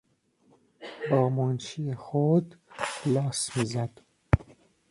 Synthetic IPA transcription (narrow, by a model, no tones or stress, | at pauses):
bɒːmont͡ʃʰiexod̪lɒːsmiːzæd̪̥